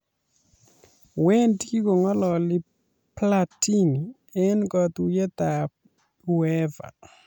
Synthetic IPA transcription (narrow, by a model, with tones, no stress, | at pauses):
we˦ntɡi˦ko˨ŋɔ˦lɔ˨lɪ˦ | plati˦ni˨ | ɛ˦nkɔ˨t̪u˦je˦t̪a˨ | wɛ˦va̰˨